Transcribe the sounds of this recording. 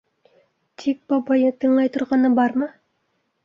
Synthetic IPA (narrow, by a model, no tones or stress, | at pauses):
t̪ʰik̚b̥ɑbɑjɤt̪ɤ̆ɴlˠɑjt̪ŏɾʁɑnɤbɑɾmɤ